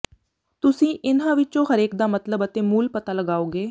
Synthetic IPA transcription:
t̪ʊsĩːʔɪnãːʋɪt͡ʃõːhəɾeːkd̪aːmət̪ləbət̪ẽːmuːlpət̪aːləɡaːoːɡeː

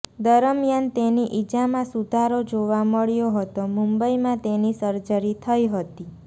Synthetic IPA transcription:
d̪əɾəmjant̪eniʔid͡ʒamãsud̪ʱaɾod͡ʒoʋaməɭjoɦət̪omumbəimãt̪enisəɾd͡ʒəɾit̪ʰəiɦət̪i

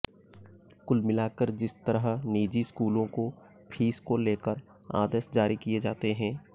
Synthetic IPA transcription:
kʊlmɪlaːkəɾd͡ʒɪst̪əɾəɦniːd͡ʒiskuːlõko | pʰiːskoleːkəɾ | a̰ːd̪əsd͡ʒaːɾikied͡ʒaːt̪eɦɛ̃ː

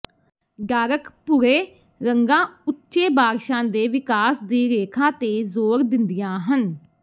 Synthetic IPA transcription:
ɖaːɾəkpʊɾeː | ɾəŋɡãːʊtːʃeːbaːɾʃãːd̪eːʋɪkaːsd̪iːɾeːkʰãːt̪eːzoːɾd̪ɪnd̪ɪjãːɦən

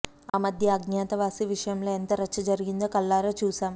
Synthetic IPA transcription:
aːmɐd̪ʱjɐɐɡnjaːt̪ɐʋaːsiʋiʂɐjɐmloːent̪ɐɾet͡ʃːɐd͡ʒɐɾiɡind̪oːkɐlːaːɾoːt͡ʃuːsaːm

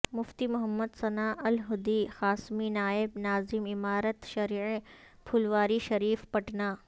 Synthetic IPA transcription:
mʊft̪imʊɦɐmːəd̪sɐnaːʔɐlɦʊd̪ixaːsminaːɪbnaːzɪmɪmaːɾət̪ʃɐɾiːi | pʰʊlʋaːɾiʃɐɾiːfpɐʈnaː

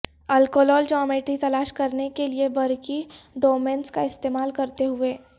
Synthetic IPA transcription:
ɐlkoːlɔːld͡ʒɔːmeːʈɾit̪ɐlaːʃkɐɾnekeliebɐɾkiɖoːmẽːnskaɪst̪eːmaːlkɐɾt̪eɦʊeː

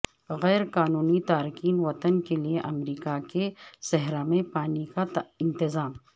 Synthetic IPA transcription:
ɣɛːɾkaːnuːnit̪aːɾɪkiːnʋɐt̪ənkelieʔɐmɾiːkakesɛɦɾamẽpaːnikaɪ̃nt̪ɪzaːm

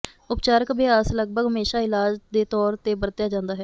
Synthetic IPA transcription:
ʊpt͡ʃaːɾəkbɪaːsləɡ̚bʱəɡɦəmeːʃaːɪlaːd͡ʒd̪eːt̪ɔːɾt̪eːbəɾt̪ɪjaːd͡ʒãːnd̪aːɦɛː

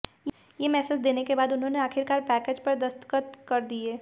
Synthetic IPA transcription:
jemɛːsɪsd̪eːnekebaːd̪ʊnɦõneaːkʰɪɾkaːɾpɛːkeːd͡ʒpɐɾd̪ɐst̪ə̥kət̪kɐɾd̪ieː

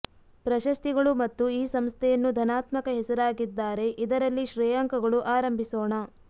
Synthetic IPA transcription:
pɾɐʃɐst̪iɡɐɭumɐt̪ːuiːsɐmst̪ʰɛjɐnːud̪ʱɐnaːt̪mɐkɐɦɛsɐɾaːɡid̪ːaːɾe̞ʔid̪ɐɾɐlːiʃɾɛjaŋkɐɡɐɭuʔaːɾɐmbʱisoːɳɐ

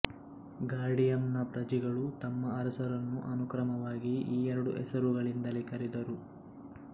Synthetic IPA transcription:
ɡaːɾɖijɐmnɐpɾɐd͡ʒiɡɐɭut̪ɐmːɐɐɾɐsɐɾɐnːuʔɐnukɾɐmɐʋaːɡiiːɛɾɐɽuʔɛ̰sɐɾuɡɐɭind̪ɐlikɐɾid̪ɐɾu

